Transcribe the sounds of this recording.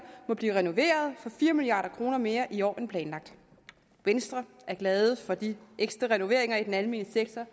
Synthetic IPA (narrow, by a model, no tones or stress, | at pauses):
mɒ̽b̥liːʁɛno̝ʋe̝̰ːɐð̞ˠfɒ̽fiːɐmiliɑ̰̈ːɾ̥ɐkʰʁo̝ːnɐme̝ːɐʔiɒ̰ːʔenpʰlɛːnlɑ̈ɡ̥̚d̥ | ʋensd̥ʁɐ | ʔæɐɡ̥lɛːð̞ˠəfɒ̽d̥iʔeɡ̥sd̥ʁɐʁɛno̝ʋe̝ɐ̰eŋɐid̥enælme̝̰ːnəseɡ̥̚t͡sʰɒ